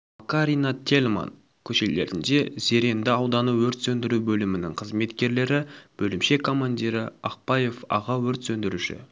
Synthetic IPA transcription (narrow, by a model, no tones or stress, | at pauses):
kaɾijnat̪ʲʰe̞lʲma̰n | kʲʰɵʃele̞̰ɾɪnd̪e̞ze̞ɾe̞nd̪ɪɑwd̪ɑnuwɵɾt̪sɵnd̪ɪɾubɵlɪmɪnɪ̰ŋqʰəzme̞t̪kʲe̞ɾle̞ɾɪb̥ɵlɪmʃe̞kʰːo̞manʲd̪ʲiɾɪɑq̚pɑje̞fɑ̰ʁɑwɵɾt̪sɵnd̪ɪɾuʃɪ̰